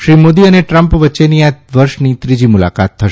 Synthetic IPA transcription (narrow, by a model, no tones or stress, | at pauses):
ʃɾimod̪iəneʈɾəmpʋətːʃeniaʋəɾʃnit̪ɾid͡ʒimula̰kat̪ʰːəʃe